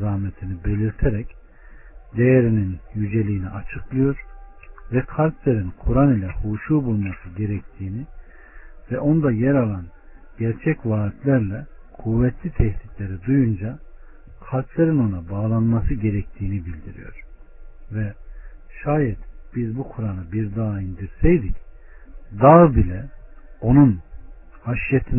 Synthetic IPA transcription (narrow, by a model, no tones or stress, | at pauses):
zahmet̪ʰinibe̞lʲiɾt̪ʰeɾɛc | d̪e̞jeɾininjyd͡ʒe̞lʲiːnḭʔat͡ʃʰɯklˠɯjo̞ɾ̥ | vɛkʰalʲklʲˠeɾinkʰuɾanilʲɛhuːʃuːbulˠmasɯɟe̞ɾɛc̚t̪ʰiːni | vɛʔo̞nd̪ajɛɾalˠan | ɟæɾt͡ʃʰɛcvaːit̪ʰlʲæɾlʲɛ | kʰuvːɛt̪ʰlʲit̪ʰɛht̪it̪lʲeɾid̪ujund͡ʒa | kʰalʲkʰlˠʲeɾino̞nabaːlˠanmasɯɟe̞ɾɛc̚t̪ʰiːnibilʲd̪iɾḭjo̞̰ɾ̥ | vɛ | ʃaːjɛt̪b̥izbukʰuɾanabiɾd̪aːind̪iɾsɛjd̪ic | d̪abilʲɛ | o̞nun | haʃjet̪ʰin